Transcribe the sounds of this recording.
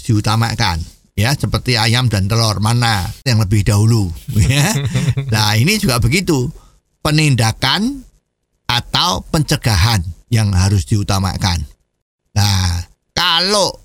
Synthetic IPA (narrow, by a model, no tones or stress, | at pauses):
d̪̥iut̪ama̰ka̰n | jasəpərt̪iajamd̥̪ant̪əlɔrmanajaŋləbɪhd̥aɦulujalainid͡ʒuɡaʔb̥əɡit̪u | pənindakan | ʔat̪aopəɲt͡ʃəɡ̥aɦanjaŋɦaɾʊsd̪̥iut̪ama̰ka̰n | la | kaloʔ